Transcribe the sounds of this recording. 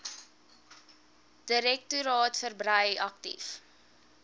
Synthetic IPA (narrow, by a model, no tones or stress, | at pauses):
d̥əɾɛk̚tuɾɑːtfərbrəjɐk̚tḭf